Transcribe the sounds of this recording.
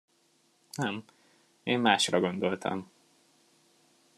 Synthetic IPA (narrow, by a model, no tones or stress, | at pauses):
nɛm | eːmmaːʃrɒɡo̞nd̪o̞lt̪ʰɒ̰m